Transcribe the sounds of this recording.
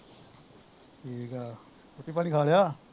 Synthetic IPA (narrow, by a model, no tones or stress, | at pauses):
ʈʰiːka | koʈ̪ipañikʰalja